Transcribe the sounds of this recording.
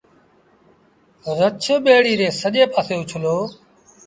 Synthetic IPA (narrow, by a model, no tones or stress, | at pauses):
ɾət͡ʃʰːɓeːɽiːɾeːsəʄeːpaːseːʊt͡ʃʰloː